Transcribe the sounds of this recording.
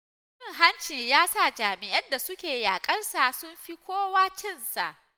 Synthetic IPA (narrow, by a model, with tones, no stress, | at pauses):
ɪ˦˨ŋɦa˦nt͡ʃiː˨jaː˦sa˦˨d͡ʒaː˨mɪ˨ʔɐ˦nda˨sʊ˦kʲeː˨jaː˨kʼɐ˦rsa˨sʊ˦mɸi˦kʷoː˦waː˦t͡ʃɪ˦˨nsa˨ʔ